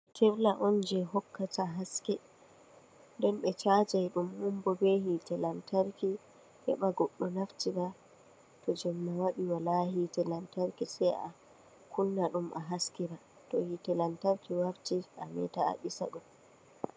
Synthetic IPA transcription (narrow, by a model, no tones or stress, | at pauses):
tʰɛɾlaʔɔnd͡ʒɛɦɔkːataɦaskɛ | dɔnɓɛt͡ʃad͡ʒajɗumhumbɔbɛhitɛlantaɾki | hɛ̰ɓaɡɔɗːɔnaftiɾa | tɔd͡ʒɛmːawaɗiwalahitɛlantaɾkisɛja̰ | kulːaɗumʔa̰ɦaskiɾa | tɔhitɛlantaɾkiwaftiʔa̰mɛ̰taa̰ɓisa̰ɗum